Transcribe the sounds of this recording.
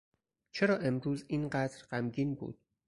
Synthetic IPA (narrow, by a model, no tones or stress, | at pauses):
t͡ʃʰe̞ɾɒːʔe̞mɾuːziːnɢæd̪ɾɢæmɟiːnbṵːd̪̥̚